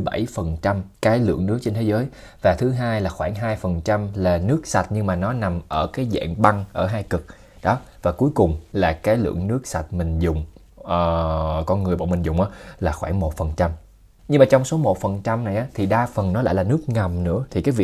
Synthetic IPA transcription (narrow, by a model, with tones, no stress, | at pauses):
ɓa̰˧˩jfə˨˩nt͡ɕa˧mkaː˨˦jlɨ̰˧˨əŋnɨ˦˥k̚t͡ɕe˧nt̪ʰe˨˦zəː˨˦j | vaː˨˩t̪ʰɨ˨˦ɦaː˧jlaː˨˩xwaː˧˩ŋɦaː˧jfə˨˩nt͡ɕa˧mlaː˨˩nɨ˦˥ək̚sa˨˩t̚ɲɨ˧ŋmaː˨˩nɔ˨˦na˨˩mʔəː˧˩kaː˨˦jzɛ̰ː˧˨nɓa˧ŋʔəː˧˩ɦaː˧jkɨ˨˩k̚ | ɗɔ˨˦vaː˨˩ku˨˦jkʊ˨˩ŋ͡mlaː˨˩kaː˨˦jlɨ̰˧˨əŋnɨ˦˥ək̚sa˨˩t̚mï˨˩ŋ̟zʊ˨˩ŋ͡m | ʔəː˨˩kɔ˧nŋɨ˨˩əjɓa̰˧˨wmï˨˩ŋzʊ̰˨˩ŋ͡mʔaː˨˦laː˨˩xwaː˧˩ŋmo˨˩t̚fə˨˩nt͡ɕa˧m | ɲɨ˧ŋmaː˨˩t͡ɕɔ˧wŋ͡mso˨˦mo˨˩t̚fə˨˩nt͡ɕa˧mna˨˩jʔaː˨˦t̪ʰi˨˩ɗaː˧fə˨˩nnɔ˨˦la̰ː˧˥jlaː˨˩nɨ˦˥ək̚ŋa˨˩mnɨ̰˧˥ət̪ʰi˨˩kaː˨˦jvḭ˧˨